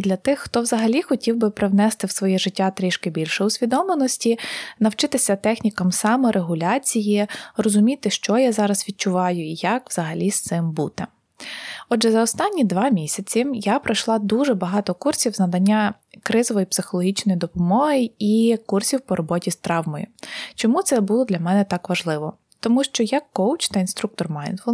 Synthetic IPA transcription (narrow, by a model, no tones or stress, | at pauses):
d̪lʲɐt̪ɪxːt̪ɔwzɐɦɐlʲixɔtʲiwbɪpɾewnɛst̪ɪwsʋɔjɛʒɪtʲːat̪ɾʲiʃkɪbʲilʲʃɛʊsʲʋʲid̪ɔmlenɔsʲtʲinɐwt͡ʃɪt̪ɪsʲɐt̪ɛxnʲikɐmsɑmɔɾʔeɦʊlʲɑt͡sʲijirɔzʊmʲit̪ɪʃt͡ʃɔjazɑɾɐsʋʲit̚t͡ʃʊʋɑjʊijɐkwz̥ɐɦɐlʲist̪sɪmbut̪ɛ | ɔdʒɛzɐɔst̪ɑnʲːid̪ʋɑmʲisʲɐt͡sʲimjapɾɐʃlˠɑd̪uʒɛbɐɦɑt̪ɔkursʲiwznɐd̪ɐnʲːa | kɾɪzɔʋɔjipsɪxɔlˠɔɦʲit͡ʃnɔjid̪ɔpɔmɔɦɪikursʲiwpɔɾɔbɔtʲist̪ɾɑwmɔjʊ̰t͡ʃɔmut̪sɛbulˠɔd̪lʲɐmɛnɛt̪ɑkʋɐʒlˠɪʋɔ | t̪ɔmuʃt͡ʃɔjɐkːɔwt͡ʃt̪ɐinst̪ɾuk̚t̪ɔrmɑjnt̪flˠ